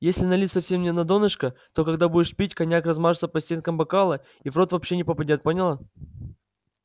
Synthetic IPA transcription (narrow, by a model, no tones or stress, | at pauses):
jesʲlʲɪnɐlʲit̪ʲsɐfsʲemnʲɪnɐd̪o̞nɨʂkət̪o̞kɐɡd̪abudʲɪʂpʲitʲkɐnʲakrɐzmaʐɨt̪səpɐsʲtʲenkəmbɐkalˠɨ | ivɾot̪vɐpɕːenʲɪpəpɐdʲat̪̚ponʲɪlˠə